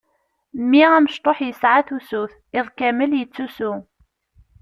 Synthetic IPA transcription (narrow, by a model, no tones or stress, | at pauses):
mːiʁæməʃt̪ˤoħjəsʕaθusuθ | ɪðˤkæməljət͡sːusʊ